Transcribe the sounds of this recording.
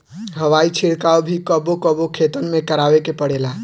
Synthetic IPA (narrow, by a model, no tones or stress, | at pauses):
ɦəʋait͡ʃʰiɽkaobʱikəbokəbokʰet̪ənmekəɾabekepəɽela